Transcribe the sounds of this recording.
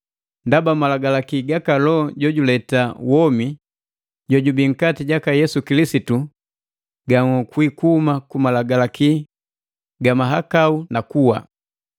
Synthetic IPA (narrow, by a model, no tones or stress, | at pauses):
ndabamalaɡalakiɡakalɔɟɔɟulɛtawɔmi | ɟɔɟubiŋ̩katiɟakajɛsukilisitu | ɡaŋɔkwikumakumalaɡalaki | ɡamaɦakaunakuwa̰